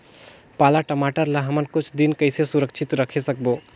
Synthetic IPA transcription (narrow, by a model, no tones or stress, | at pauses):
paːlaʈəmaːʈəɾlaɦɐmənkʊt͡ʃʰd̪inkəɪsesʊɾəkt͡ʃʰɪt̪ɾəkʰesək̚boː